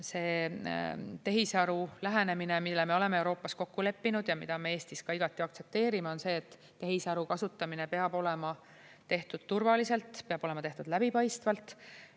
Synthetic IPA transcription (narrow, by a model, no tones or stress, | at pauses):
se̞ː | t̪e̞ɦisɑɾulæɦene̞mine̞milːeme̞o̞le̞me̞ewɾo̞ːpːɑsko̞kːule̞pːinud̪̥jɑmid̪̥ɑme̞e̞ːst̪iskɑiɡ̥ɑt̪ːˑiɑkt̪se̞p̚t̪e̞ːɾimeo̞nse̞ːt̪ːe̞ɦisɑɾukɑsut̪ːˑɑmine̞pe̞ɑb̥o̞lemɑ | t̪e̞ht̪ud̪̥̚t̪urvɑlise̞lt̪ˑpeɑb̥o̞le̞mɑt̪e̞ht̪ud̪̥læb̥ipɑjst̪vɑlt̪ːˑ